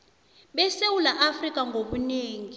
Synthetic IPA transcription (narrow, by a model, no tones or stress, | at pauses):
ɓɛsewulaʔafrikʼaŋɡʱoɓuneːŋi